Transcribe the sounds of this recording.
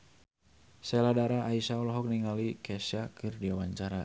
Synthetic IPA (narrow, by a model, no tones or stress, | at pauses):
sɛladaɾaʔaisauɔlɦɔk̚niŋalikɛsakɨrdiawaɲt͡ʃaɾa